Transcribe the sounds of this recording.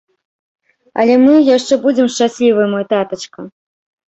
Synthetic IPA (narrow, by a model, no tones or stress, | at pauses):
ɐ̰lʲɛmɨjaʂt͡ʂɛbud͡zʲɛmʂt͡ʂasʲlʲivɨjmɔjt̪at̪ɐt͡ʂkɐ